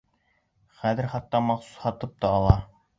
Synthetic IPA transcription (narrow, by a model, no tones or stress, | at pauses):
χæðɘ̆ɾχɑt̪ːɑmɑχsu̥shɑt̪ɤp̚t̪ɑːlˠɑ